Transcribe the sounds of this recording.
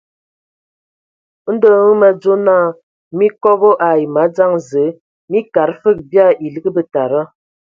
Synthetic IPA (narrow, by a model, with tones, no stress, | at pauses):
n̩˦də˦ŋə˦mə˨d͡zo˦naː˦˨ | mi˦kɔ˦ɣo˦ʔa˨i˨ma˨˦d͡za˦ŋzə˨˦ | mi˦ka˨ɾfə˦˨k̚bja˦˨ʔi˨lɨ˦ɡə˦bə˦ta˨ɾa˦